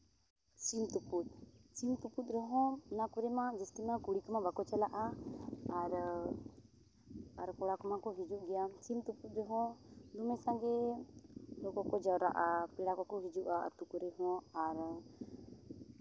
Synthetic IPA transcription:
t͡ʃimt̪uput̪̚t͡ʃimt̪uput̪̚ˀɾɛɦɔ̃nakuɾɛmãd͡ʒɛskinakuɽikmãbakɔt͡ʃɛlaʔaaɾ | aɾkɔɽakɔmakɔɦid͡ʒuʔɡɛjat͡ʃimt̪uput̪̚ɾɛɦɔ̃d̪umɛsãɡɛ | lɔkɔkɔd͡ʒawɾa̰ʔapɛɽakɔkɔɦid͡ʒuʔaʔt̪ukɔɾɛɦɔ̃aɾ

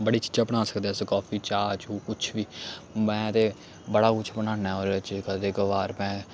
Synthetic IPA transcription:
bəɽiːt͡ʃi̥ːd͡ʒaːpəɳaːsə̥kd̪eskɔːpʰiːt͡ʃaːt͡ʃuːkʊt͡ʃʰʋiːmɛ̃ːt̪eː | bəɽaːkʊt͡ʃʰpənãːnaːoːɾt͡ʃkət̪eːkəʋaːɾmɛ̃ː

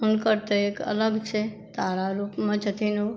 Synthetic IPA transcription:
unkəɾt̪eekə̰ləɡt͡ʃʰe | t̪aɾaɾupmãd͡ʒət̪ʰinũ

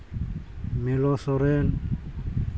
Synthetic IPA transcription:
mɛlɔsɔɾen

